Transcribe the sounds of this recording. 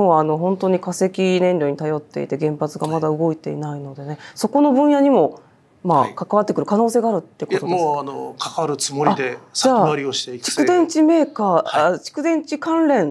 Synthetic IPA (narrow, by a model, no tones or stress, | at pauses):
oβaːno̞ɦõ̞nt̪o̞ːɲ̟ikase̞kʲinẽ̞nʲɾʲo̞ɲ̟it̪ajo̞t̪ːe̞̰ḭt̪e̞ɡẽ̞mpat͡sɨɡamad̪aɯ̟ɡo̞it̪e̞ḭnaino̞d̪e̞ne̞so̞ko̞no̞bɯ̟̃ɰ̃jaɲ̟imo̞ | makakaβat̪ːe̞kɯ̟ɾɯ̟kano̞ːse̞ːɡaːɾɯ̟t̪ːekot̪odeoano̰kʰḁkaɾɯ̟t͡sɨmoɾad̪ed͡ʑaːaɾʲioɕi̥t̪eit͡ɕi̥kɯ̟d̪ẽ̞ɲt͡ɕime̞ːkaːat͡ɕi̥kɯ̟d̪ẽ̞ɲ̟t͡ɕikãnɾẽ̞ɴ